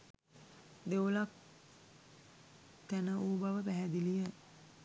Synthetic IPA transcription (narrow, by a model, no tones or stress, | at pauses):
d̪eolak̚ | t̪ænəʔuːbaʋəpæɦɛd̪ilijə